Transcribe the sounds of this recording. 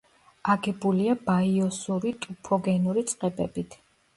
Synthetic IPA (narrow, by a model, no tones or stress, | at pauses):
aɡɛbuliabaiɔsuɾit̪ʼupʰɔɡɛnuɾit̪sʼqʼɛbɛbit̪ʰ